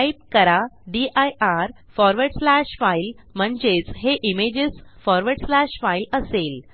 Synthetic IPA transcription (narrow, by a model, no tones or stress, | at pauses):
ip̚kəɾaɖiʔajaɾ | fɔɾʋəɾɽslaɕfail | m̤əɳd͡ʑet͡sɦeʔimed͡ʑesfɔɾʋəɾɽslaɕfailəsel